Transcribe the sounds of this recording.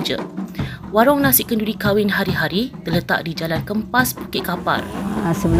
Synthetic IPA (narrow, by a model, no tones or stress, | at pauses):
d͡ʒə̰ | waɾɔŋnãsɪʔkəndudikawɪnɦaɾiɦaɾit̪ələt̪a̰ʔdid͡ʒalankəmpaspakɪʔkapa̰rsəbəl